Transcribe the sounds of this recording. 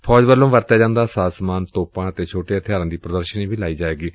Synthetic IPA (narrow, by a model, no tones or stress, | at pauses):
pʰɔːd͡ʒʋəlːõːʋəɾt̪aːd͡ʒãːnd̪aːsaːsmaːnt̪oːpãːət̪eːt͡ʃʰoːʈet̪ʰɪjaːɾãːd̪iːpɾəd̪əɾʃənĩːbiːlaːiːd͡ʒaːʋeːɡiː